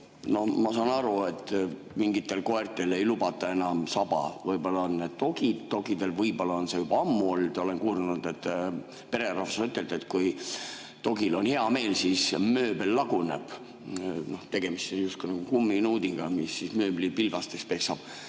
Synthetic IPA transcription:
no̞hmɑsɑːnɑɾue̞t̪ːˑ | miŋɡit̪ːˑe̞lko̞ert̪ːˑele̞jlubɑt̪ːˑɑe̞nɑmsɑbɑ̰vɯjbolːɑonːed̥̪t̪o̞ɡ̥id̪̥t̪o̞ɡid̪̥e̞lvɯjbolːɑonsejub̥ɑɑmːuo̞ld̪̥o̞le̞nkuːɾunud̪̥e̞t̪ː | pe̞ɾe̞ɾɑfɑsyt̪ˑːe̞ld̪̥et̪ːkuj | t̪o̞ɡ̥ilo̞nhe̞ɑme̞ːlsismøːbelːɑɡ̥une̞̰b̥ | no̞ht̪e̞ɡ̥e̞mist̪sejust̪kunɑɡ̥ukumːinuːd̪iɡ̥ɑmisːismøːblipilvɑst̪ekspe̞ksɑb̥

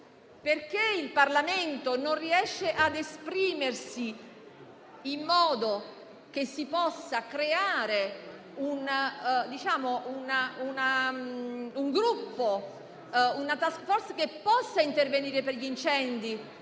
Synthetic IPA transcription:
perkeilparlament̪ononriɛʃːeʔad̪espɾiːmersi | imːɔːd̪o | k̟esːipɔsːakɾeaːɾe | und̪it͡ʃaːmoʔunauna | uŋɡɾupːo | unat̪askfɔɾskepːɔsːaint̪erveniːɾeperʎint͡ʃɛnd̪i

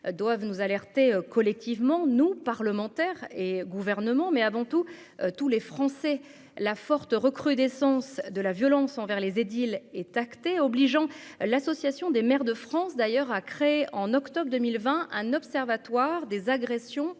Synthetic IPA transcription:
d̪wavnuzalɛʁt̪ekɔlɛk̚t̪ʰivmɑ̃nupaʁləmɑ̃t̪ɛʁeɡuvɛʁnəmɑ̃mɛavɑ̃t̪u | t̪ulefχɑ̃sɛ | lafɔʁt̪ʁəkχyd̪esɑ̃sd̪əlavjɔlɑ̃sɑ̃vɛʁlezed̪ilɛt̪akt̪eɔbliʒɑ̃lasɔsjasjɔ̃d̪emɛʁd̪əfχɑ̃sd̪ajœʁakχeeʔɑ̃nɔkt̪ɔbʁd̪əmilvɛ̃ʔɛ̃nɔpsɛʁvat̪waʁd̪ezaɡʁɛsjɔ̃

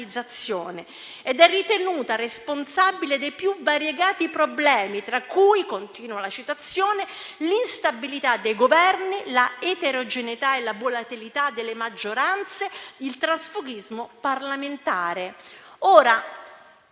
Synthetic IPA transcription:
id̪zːat̪sːjoːne | ed̪ɛrːit̪enuːt̪aresponsabiled̪ejpjuvːaɾjeɡaːt̪ipɾoblɛːmit̪ɾakːujkont̪iːnwalat͡ʃit̪at̪sːjoːnelinst̪abilit̪ad̪ːejɡovɛrnilaet̪eɾod͡ʒenit̪aelavolat̪ilit̪ad̪ːelːemad͡ʒːoɾant̪sed̪ilt̪ɾasfuɡizmoparlament̪aːɾe | oːɾa

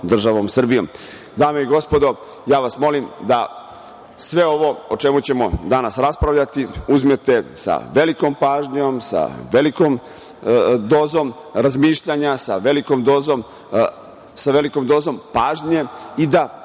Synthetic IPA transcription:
d̪r̩ʒaʋo̞msr̩bijo̰m | d̪aːmeiɡo̞spo̞d̪o̞ | jaːʋasmo̞limd̪a | sʋe̞o̞ʋo̞ot͡ʂe̞mut͡ɕe̞mo̞d̪anasɾaspɾaʋʎʲat̪iuzme̞t̪e̞sa̰ʋe̞likompaːʒɲo̞msa̰ʋelikom | d̪oːzom | ɾazmiːʃʎaɲasaʋe̞likomd̪oːzom | saʋe̞likomd̪oːzo̞mpaːʒɲe̞id̪a

